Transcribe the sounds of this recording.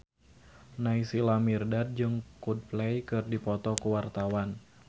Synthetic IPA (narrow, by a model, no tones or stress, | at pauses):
naisilamirdad̪̚d͡ʒɨŋkud̚plɛjkɨrdipɔt̪ɔkuwart̪awan